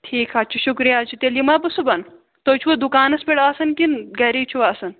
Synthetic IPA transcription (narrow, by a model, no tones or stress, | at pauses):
ʈʰiːkʰɦaːt͡ʃʰuʃukɾijaːt͡ʃʰit̪eljimɐːbusubɐn | t̪oːt͡ʃʰuʋɐd̪ukaːnɐspʲeɽaːsɐnkinɡɐɾiːt͡ʃʰuʋaːsɐn